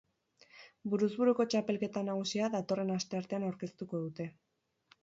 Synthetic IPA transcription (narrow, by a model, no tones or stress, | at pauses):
buɾuzβuɾuko̞t͡ʃape̞lke̞t̪anaɣ̞usiaðat̪o̞re̞nast̪e̞aɾt̪e̞anawɾke̞st̪uko̞ðut̪e̞